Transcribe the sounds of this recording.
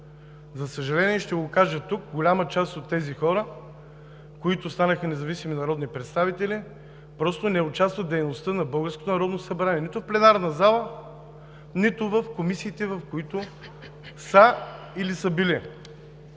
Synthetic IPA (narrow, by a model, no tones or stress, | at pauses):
zɐsəʒɐlɛniɛʃt̪ɛɡokaʒət̪uk̚ɡolʲamət͡ʃast̪ot̪ːɛzixɔɾə | koit̪ʊst̪anəxənɛzɐvisiminɐɾɔd̪nipɾɛt̪st̪avit̪ɛli | pɾɔst̪onɛʊt͡ʃast̪vət̪d̪ɛjnost̪ənɐbɤlˠɡəɾskot̪onɐɾɔd̪nosɐbɾaniɛnit̪ʊfplɛnaɾnɐzalˠə | nit̪ʊvəfkomisiːt̪ɛvɐfkoit̪ʊ | sə | ilisəbili